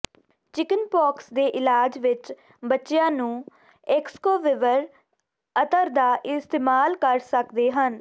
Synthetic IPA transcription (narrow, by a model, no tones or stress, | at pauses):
t͡ʃɪkənpɔːksd̪eːʔɪlaːd͡ʒʋɪt͡ʃ | bətːʃɪjãːnũː | eːkskoːʋɪʋəɾ | ət̪əɾd̪aːʔɪst̪eːmaːlkəɾsəkd̪eːɦən